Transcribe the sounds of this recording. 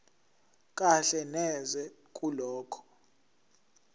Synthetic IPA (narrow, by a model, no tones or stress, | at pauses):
kʼaɬɛnɛzɛkʼulɔːkʰɔ̥